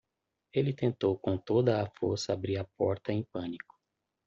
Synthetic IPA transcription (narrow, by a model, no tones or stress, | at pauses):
elɪt̪ẽnt̪owkõt̪od̪ɐːfoɾsɐabɾiɾɐpɔɾt̪ɐẽj̃pɐ̃nikʊ̥